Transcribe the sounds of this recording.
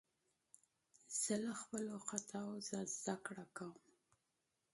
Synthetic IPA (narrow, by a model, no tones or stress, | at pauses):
z̥əlaxpəloxat̪ʰawzəzd̪akɽakawəm